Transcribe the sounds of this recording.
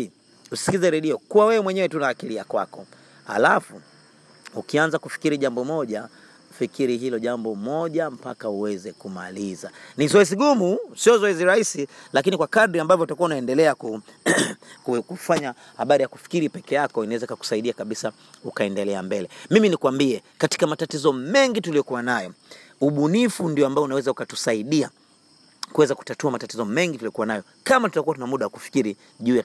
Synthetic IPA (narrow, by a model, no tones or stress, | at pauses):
usi̥kizɛɾɛɗiɔkuwawɛwɛmwɛɲɛwɛtunaːkiliakwa̰kɔ | ha̰lafu | ukianzakufi̥kiɾiʄambɔmɔʄa | fikiɾiɦilɔʄambɔmɔʄam̩pakauwɛzɛkuma̰liza̰nizɔɛziɠumusiɔzɔɛziɾahisilakinikwakadɾiambavjɔutakuaunaɛndɛlɛaku | kukufaɲa | haɓaɾijaku̥fi̥kiɾipɛkɛjakɔinawɛzaikaku̥saiɗiakaɓisa | ukaɛndɛlɛambɛlɛmiminikwambiɛkati̥kamatatizɔmɛŋɡitulijɔkuwanajɔ | uɓunifundiɔambaɔunawɛzaukatu̥saiɗia | kuwɛzaku̥tatuamatatizɔmɛŋɡitulijɔkuwanajɔ | kamatu̥takuatunamuɗawaku̥fi̥kiɾi | ʄuːja